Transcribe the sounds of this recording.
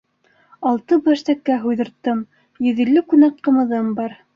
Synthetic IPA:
ɑlˠt̪ɤbæʃt̪ækːæɦujðɤ̆ɾt̪ːɤm | jɵ̆ðilːɘkʉnæk̚qɤ̆mɤ̆ðɤmbɑɾ

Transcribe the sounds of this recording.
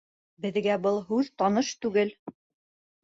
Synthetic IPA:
bɘ̆ðɡæbɤlˠɦʉðt̪ɒnɤʃt̪ʉɡɘl

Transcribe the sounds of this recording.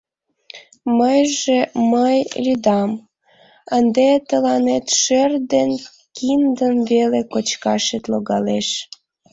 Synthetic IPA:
məjʒeməjlʲyd̪ɑm | ənd̪et̪əlɑnet̪ʃerd̪en | kind̪ənβelekot͡ɕkɑʃet̪loɣɑleʃ

